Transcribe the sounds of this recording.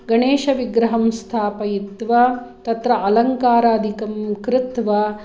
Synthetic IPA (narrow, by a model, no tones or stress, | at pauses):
ɡɐɳeːʃɐʋiɡɾɐɦɐmst̪ʰaːpɐjit̪ʋɐt̪ɐt̪ɾɐʔɐlɐŋkaːɾaːd̪ʱikɐmkɾɪt̪ʋɐ